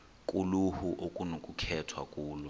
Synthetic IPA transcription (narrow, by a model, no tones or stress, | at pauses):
kʼuluhuʔokʼunokʼukʰɛtʰwakʼuːlɔ